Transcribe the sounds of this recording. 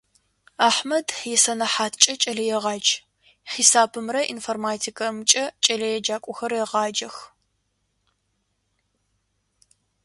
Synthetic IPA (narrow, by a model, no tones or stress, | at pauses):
aːħmɐdjɛsɐnɐħaːtʰt͡ʃʼɐt͡ʃʼɐɮɐjɛʁɑːd͡ʒ | ħiːsaːbʰɨmrɐʔinformaːtʰikɐrmɨt͡ʃʼɐt͡ʃʼɐɮɐjɛd͡ʒaːkʷʼʊxɐrjɛʁɑːd͡ʒɐx